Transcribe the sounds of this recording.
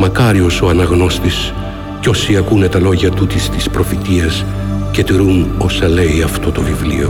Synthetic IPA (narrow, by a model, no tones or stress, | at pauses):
mɐkɐɾio̞so̞ɐnɐɣno̞st̪is | co̞siɐkune̞t̪ɐlo̞ʝɐt̪ut̪ist̪ispɾo̞fit̪iɐs | ce̞t̪iɾuno̞sɐle̞iɐft̪o̞t̪o̞vivlḭo̞